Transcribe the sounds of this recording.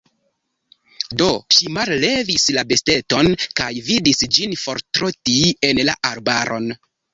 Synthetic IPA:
do̞ʃimalːe̞vislabe̞ste̞to̞nkajvidisd͡ʒinfo̞ɾtɾotie̞nla̰ʔaɾbaɾʔo̞̰n

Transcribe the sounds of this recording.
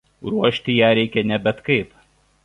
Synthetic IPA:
ɾuɔʃʲt̪ʲɪjæːɾʲɛɪkʲɛnʲɛbʲɛt̪kɐɪp

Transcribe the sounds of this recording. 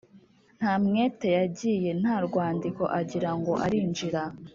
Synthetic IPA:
n̥haːmŋeːte̞jaɟije̞n̥haɾɡwaːndiko̞ʔaɟiɾaŋɡo̞ʔaɾiːnd͡ʒiɾa

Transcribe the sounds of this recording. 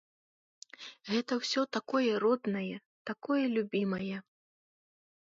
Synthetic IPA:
ɣɛt̪ɐwsʲɔt̪akɔjɛɾɔd̪nɐjɛ | t̪akɔjɛlʲubʲimɐjɛ

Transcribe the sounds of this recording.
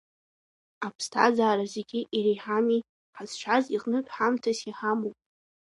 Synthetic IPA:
apʰstʰa̰zaːɾazeɡʲɪʔiɾijħami | ħaz̥ʃʷʰaziqʼnɨtʷʼħamtʰasiħamowpʼ

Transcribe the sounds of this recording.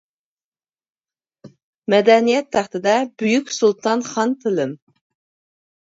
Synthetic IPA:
mɛd̪ɛnijɛt̪ʰːæχt̪ɪd̪ɛbyjykʲsulˠt̪ʰɑnχɑnt̪ʰɪlɪm

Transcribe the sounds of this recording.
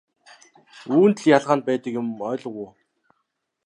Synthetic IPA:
uːnt̪̆ɮjaɮʁaːn̚pæːt̪ə̆kjʊmœːɮə̆ʁuː

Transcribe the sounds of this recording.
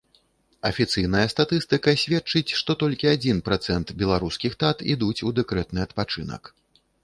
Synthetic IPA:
ɐfʲit̪sɨjnɐjɐst̪at̪ɨst̪ɨkɐsʲvʲɛtt͡ʂɨt͡sʲʂt̪ɔt̪ɔlʲkʲiad͡zʲinpɾat̪sɛnt̪bʲɛlˠaɾuskʲixt̪at̪ḭd̪ut͡sʲud̪ɛkɾɛt̪nɨɐt̪pat͡ʂɨnɐ̰k

